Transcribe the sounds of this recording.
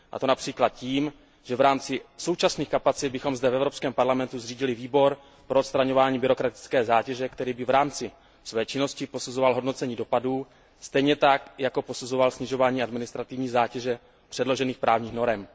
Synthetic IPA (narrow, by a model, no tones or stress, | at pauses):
ʔa̰t̪o̞napr̝̥iːklat̪̚ciːm | ʒ̥ɛvɾaːmt͡sɪso̞wt͡ʃasniːxkapat͡sɪd̪̚bɪxo̞mzdɛvɛvɾopskɛːmpaɾlamɛnt̪uzriːɟɪlɪviːbo̞ɾ | pɾoot̪st̪ɾaɲo̞vaːɲiːbɪɾo̞kɾat̪ɪ̥t͡skɛːzaːcɛʒɛkt̪ɛɾiːbɪvɾaːmt͡sɪ | svɛːt͡ʃɪno̞scɪpo̞suzo̞valɦo̞dno̞t͡sɛɲiːdo̞paduː | st̪ɛjɲɛt̪akjako̞po̞suzo̞valsɲɪʒo̞vaːɲiːʔadmɪnɪst̪ɾat̪ɪvɲiːzaːcɛʒɛ | pr̥ɛdlo̞ʒɛniːxpɾʔaːvɲiːxno̞ɾɛm